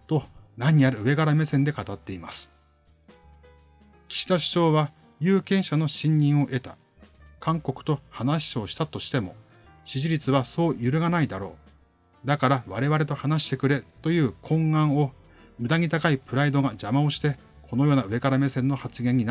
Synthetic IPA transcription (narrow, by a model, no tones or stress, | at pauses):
t̪o̞naɲ̟iaɾɯ̟ɯ̟e̞ɡaɾame̞sẽ̞nd̪e̞kat̪at̪ːe̞ima̰sɨ̥ | kʲi̥ɕi̥t̪aɕi̥t͡ɕo̞ːβa | jɯ̟ːkẽ̞ɰ̃ɕano̞ɕĩɲːĩɰ̃o̞ʔe̞t̪a | kʰãŋko̞kɯ̟̥t̪o̞hanaɕi̥o̞ɕi̥t̪at̪o̞ɕi̥t̪e̞mo̞ | ɕiʑiɾʲit͡sɨβaso̞ːjɯɾɯ̟ɡanaid̪aɾo̞ː | d̪akaɾaβaɾe̞βaɾe̞t̪o̞hanaɕi̥t̪e̞kɯ̟ɾe̞t̪o̞jɯ̟ːkʰõ̞ŋɡãɰ̃o̞ | mɯ̟d̪aɲ̟ʲit̪akaipɯ̟ɾaid̪o̞ɡad͡ʑamaoɕi̥t̪e̞ | kʰo̞no̞jo̞ːnaɯ̟e̞ɡaɾame̞sẽ̞nːo̞hat͡sɨɡẽ̞ɲ̟ːin